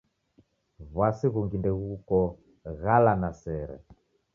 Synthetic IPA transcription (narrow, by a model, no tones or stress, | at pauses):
βwasiɣuŋɡindɛɣukɔ | ɣalanasɛɾɛ̰